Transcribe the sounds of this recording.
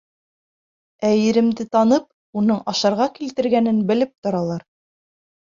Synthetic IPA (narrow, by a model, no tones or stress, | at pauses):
æjɘ̆ɾɘ̆md̪ɘt̪ɑnɤp̚ | unɤɴɑʃɑɾʁɑkilt̪ɘ̆ɾɡænɘnbɘ̆lɘp̚t̪ŏɾɑlˠɑɾ